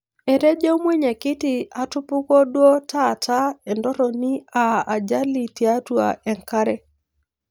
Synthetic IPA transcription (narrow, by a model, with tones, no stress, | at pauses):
ɛ˨ɾɛ˦d͡ʒɔ˦mwɛ˦ɲe˨kɪ˦tɪ˦a˨tʊ˦pʊ˦kɔ˦dwɔ˦tʰa˦˨ta˦ɛ˨ndɔ˦ɾɔ˨ni˦a˨a˨d͡ʒa˦li˨tja˦twa̰˨ɛ˨ŋka˦ɾɛ˨